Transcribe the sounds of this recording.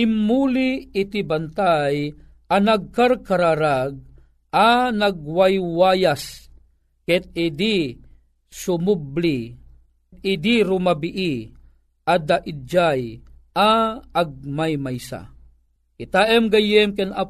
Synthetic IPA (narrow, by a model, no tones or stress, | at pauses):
imːuliːt̪ibant̪aj | anaɡ̚kaɾkaɾaɾaɡ̚ | ʔanaɡ̚wajwajas | kɛt̪̚id̪i | sumubli | t̪̚id̪iɾumabiʔi | ʔad̪aʔid͡ʒajʔaaɡ̚majmajsa̰ | kit̪aʔɛmɡajɛmkɛna